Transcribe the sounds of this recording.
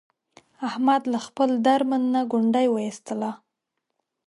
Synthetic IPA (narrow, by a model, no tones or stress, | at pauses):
ahmad̪laxpəld̪aɾmanːaɡʊɳɖajwəist̪əla